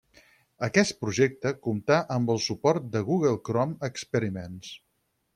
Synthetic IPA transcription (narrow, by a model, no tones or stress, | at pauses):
əkɛst̪̚pɾuʒek̚t̪əkumt̪aʔəmbəlˠsupɔɾt̪̚d̪əɣuɣəlˠkɾɔməkspəɾimens